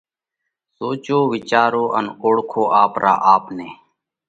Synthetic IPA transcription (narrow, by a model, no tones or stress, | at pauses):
soːt͡ʃoːʋɪt͡ʃaːɾoːʔənoːɽkʰoːʔaːpɾa̰ːʔaːpneː